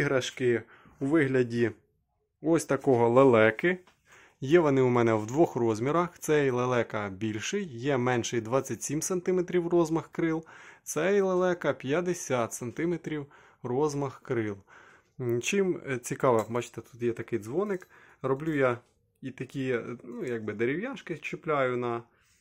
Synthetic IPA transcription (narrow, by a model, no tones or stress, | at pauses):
iɦɾɐʃkɪ | uʋɪɦlʲɐdʲi | ɔsʲt̪ɐkɔɦɔlˠelˠɛkɪ | jɛʋɔnɪumɛnɛwd̪ʋɔxrɔzʲmʲiɾɐxt̪sɛlˠelˠɛkɐbʲilʲʃɪjːɛmɛnʃɪjd̪ʋɑt͡sʲːɐtʲsʲimsɐnt̪ɪmet̪ɾʲiwrɔzmɐxkɾɪlˠt̪sɛjlˠelˠɛkɐpʲjɐd̪esʲat̪sɐnt̪ɪmet̪ɾʲiw | rɔzmɐxkɾɪlˠ | t͡ʃɪmt͡sʲikɑʋɐbɑt͡ʃɪ̥t̪ɛt̪u̥t̪jɛt̪ɐkɪjd̪zʋɔnɪkrɔblʲuja | it̪ɐkʲinujɑɡ̚bɪd̪eɾʲɪwjaʃkɪt͡ʃɪplʲajʊnɐ